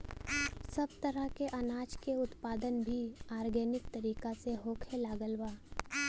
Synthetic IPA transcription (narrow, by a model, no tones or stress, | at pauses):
sɐbt̪ɐɾəɦkeʔɐnaːd͡ʒkeʊt̪paːd̪ənbʱiaːɾɡeːnɪk̚t̪ɐɾiːkaseɦoːkʰelaːɡəlwaː